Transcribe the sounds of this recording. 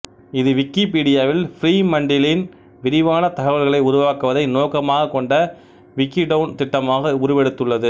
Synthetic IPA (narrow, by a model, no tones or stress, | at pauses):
ɪðɯʋɪkːipiːɽɪjaːʋɪlfɪɾiːmɐɳɖɪlɪn | ʋɪɾɪʋaːnɐt̪ɐɣɐʋɐlɣɐɭɐɪʊɾʊʋaːkɯʋɐðɐɪnoːkɐmaːɣɐkːɔɳɖɐ | ʋɪkːiɖɐʋnt̪ɪʈːɐmaːɣɐʊɾɯʋɛɽɯt̪ːɯɭːɐðɯ